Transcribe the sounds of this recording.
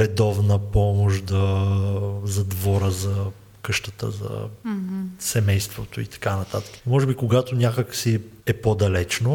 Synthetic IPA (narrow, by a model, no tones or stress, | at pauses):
ɾɛd̪ɔvnəpɔmoʃd̪ɐ | zɐd̪vɔɾəzɐ | kɤʃt̪ət̪ə̰zɐ̰ | sɛmɛjst̪vot̪oḭt̪ɐ̥kanɐt̪at̪ə̥kə̥mɔʒɛbikoɡat̪onʲjakəksiɛpod̪ɐlɛt͡ʃno